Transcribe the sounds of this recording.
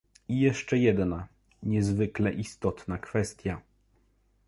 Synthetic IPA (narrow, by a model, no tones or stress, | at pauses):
ijɛʂt͡ʂɛjɛd̪na | ɲɛzvɘklɛʔist̪ɔt̪nakfɛst̪ʲja